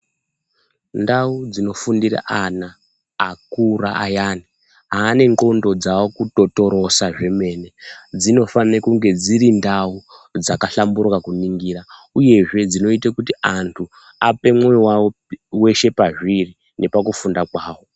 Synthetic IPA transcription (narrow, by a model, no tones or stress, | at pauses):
ndaud͡zino̞fundira̰ʔanaː | kura̰ʔajaːni | ɦaːne̞ŋɡo̞ndo̞d͡zawokuto̞to̞ɾo̞saʐe̞me̞ne̞d͡zino̞fanekuŋɡe̞d͡ziɾindaud͡zakaɬamburkakuniŋɡiːrauje̞ʐe̞d͡zino̞itakutiantʰu | ape̞mwewao | we̞ʃe̞paʐiri | ne̞pakufundakwaːwo̞